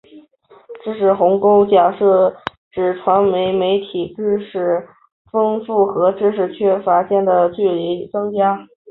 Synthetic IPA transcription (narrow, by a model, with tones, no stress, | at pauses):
ʈ͡ʂɻ̩˥ʂɻ̩˧˩xʊ˧˥ŋko˥ʊt͡ɕja˥˩ʂɤ˥˩ | ʈ͡ʂɻ̩˨˩ʈ͡ʂʰwa˧˥nme˧˥ɪme˧˥ɪt̪ʰi˨˩ʈ͡ʂɻ̩˥ʂɻ̩˥˩ | fɤ˥ŋfu˥˩xɤ˧˥ʈ͡ʂɻ̩˥ʂ̬ɻ̩˧˥t͡ɕʰɥɛ˥fa˧˥ɕjɛ˥˩nd̪ə˩t͡ɕy˥˩li˧˥t͡sɤ˥ŋt͡ɕja˥